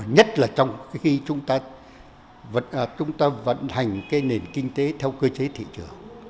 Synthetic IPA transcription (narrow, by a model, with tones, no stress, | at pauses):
ɲə˦˥t̚laː˨˩t͡ɕɔ˧wŋ͡mxi˧t͡ɕʊ˨˦ŋ͡mt̪aː˧ | və˧˨t͡ɕʊ˨˦ŋ͡mt̪aː˧və̰˧˨nha˨˩jŋ̟kaː˨˦jne˨˩nkï˧ŋ̟t̪e˨˦t̪ʰɛ˧wkəː˧t͡ɕe˨˦t̪ʰḭ˧˨t͡ɕɨ˨˩əŋ